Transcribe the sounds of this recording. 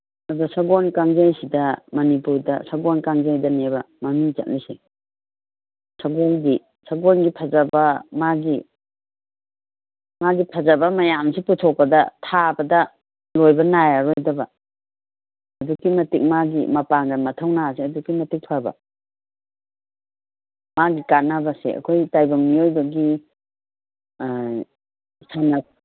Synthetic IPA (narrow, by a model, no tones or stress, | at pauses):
ɐdusaɡonkaŋzajsidɐmɐnipuɾdɐ̰saɡonkaŋzajdɐnebɐ | mɐmiŋt͡ʃɐ̰t̚lise | saɡonɡi | saɡonɡipʰɐzɐbɐmaɡi | maɡipʰɐzɐbɐmɐjamsiputʰokːɐdɐtʰabɐdɐ | lojbɐnajaɾojdɐbɐ | ɐdukimɐtik̚maɡḭmɐpaŋɡɐnmɐtʰɐwnaseɐdukimɐtik̚pʰabɐ̰ | maɡikat̚nɐbɐsḛɐ̰kʰojtajbɐŋmiojbɐɡi | sana